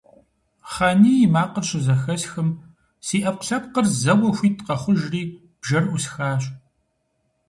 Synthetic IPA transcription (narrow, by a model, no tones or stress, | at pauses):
χaːniːjmaːqərɕɪzɐxɐsxɨm | siːʔɐp̚qɬɐpqərzɐwɐxʷiːtʰqɐχʷʊʒriː | b̥ʒɐrʔusxaːɕʼ